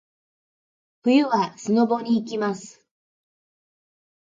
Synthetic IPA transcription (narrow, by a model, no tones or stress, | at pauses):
ɸɯ̟jɯβasɨno̞bo̞ɲ̟iːkʲimasɨ̥